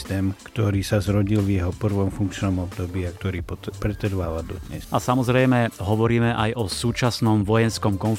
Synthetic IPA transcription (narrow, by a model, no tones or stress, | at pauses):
t̪ɛːmkt̪ɔɾiːsazɾɔɟilvjɛɦɔpr̩ʋɔmfuŋkt͡ʃnɔmɔbd̪ɔbiːakt̪ɔɾiːppɾɛt̪ɛɾʋaːʋald̪ɔ̰d̪ɲɛ̰sʔasamɔzɾɛjmɛɦɔʋɔɾiːmɛʔajʔɔsuːt͡ʃasnɔmʋɔjɛnskɔmkɔnf